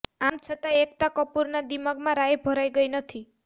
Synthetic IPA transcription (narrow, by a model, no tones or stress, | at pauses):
amt͡ʃʰɔt̪aekt̪akɔpuɾnad̪imɔɡmaɾajebʱɔɾajɡɔjnʌt̪ʰi